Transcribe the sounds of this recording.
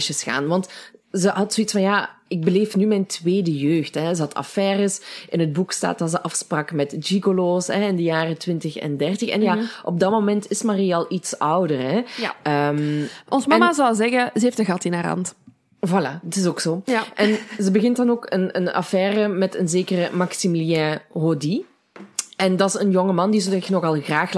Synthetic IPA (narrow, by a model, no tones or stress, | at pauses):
ʃəsxa̰ːnʋɑntzəɦɑtsoːitsfɑnja | ɪɡ̚bəleːfnymɛjntʋeːdəjøːxtɛzəɦɑtʰɑ̰fɛːrəsʔɪnɦəd̚buksta̰ːt̚ɑzəʔɑfsprɑkmɛtd͡ʒikoloːsɦɛɪndəjaːrətʋɪntəxɛ̰ndɛrtəxɛ̰njaʔɔ̰b̚dɑtmomɛntɪsmariɛlˠitsʌwdərɦɛəːmɔnzmɑmazɑlˠzɛɣəzəeftəɣɑtɪnaɾɑ̰nt | vala̰dɑtɪsoːksoːʔɛnzəbəɣɪntdɑnoːkənə̰nɑ̰fɛːrəmɛtənzeːkərəmɑksimiljɛ̃ɦodi | ɛndɑsənjɔŋəmɑndizətɛnɔɣɑlˠɣraːx